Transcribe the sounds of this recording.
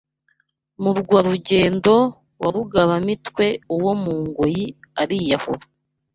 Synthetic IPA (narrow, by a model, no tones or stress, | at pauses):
muɾɡwaɾuɟe̞ːndo̞ | waɾuɡaβamitwe̞uwo̞muːŋɡojiaɾijaho̰ɾa